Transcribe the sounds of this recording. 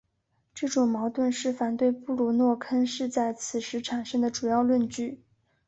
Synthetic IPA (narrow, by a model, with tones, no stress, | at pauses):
ʈ͡ʂɤ˥˩ʈ͡ʂʊ˨˩ŋmɑ˧˥ʊt̪wə˥˧nʂɻ̩˥˩fa˨˩nt̪we˥˧ɪpu˥˩lu˨˩nwɔ˥˩kʰə˥nʂɻ̩˥˧t͡sa˥˩ɪt͡sʰɹ̩˨˩ʂɻ̩˧˥ʈ͡ʂʰa˨˩nʂə˥ŋd̪ə˨ʈ͡ʂu˨˩jɑ˥˧ʊlwə˥˧nt͡ɕy˥˩